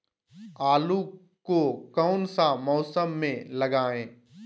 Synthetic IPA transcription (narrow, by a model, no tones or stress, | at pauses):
aːlu | kokɔːʊnsamɔːsəmːẽlɐɡaːẽː